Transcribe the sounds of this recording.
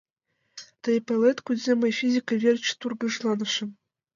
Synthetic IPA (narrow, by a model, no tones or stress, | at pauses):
t̪ɤ̆jpʲelʲˠet̪kudzʲemʲɤjfʲizʲikəvʲerʲt͡ɕt̪urɡɤ̆ʂlˠɑnɤ̆ʂɘ̆m